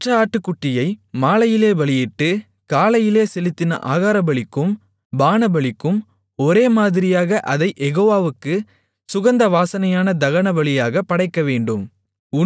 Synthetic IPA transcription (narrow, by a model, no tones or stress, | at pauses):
ʈrɐaːʈːɯkːʊʈːɪjɐɪmaːlɐjɪleːʋɐɭɪjɛʈːɯ | kaːlɐjɪleːsɛlɪt̪ːɪnɐ̰ʔa̰ːɣaːɾɐbɐɭɪkːɯm | baːnɐbɐɭɪkːɯm | ɔɾeːmaːðɪɾɪjaːɣɐʔɐðɐɪʔɛɣoːʋaːʋɯkːɯ | sʊɣɐnd̪ɐʋaːsɐnɐjaːnɐd̪ɐɣɐnɐʋɐɭɪjaːɣɐpːɐɽɐɪkːɐʋeːɳɖɯm | ʊ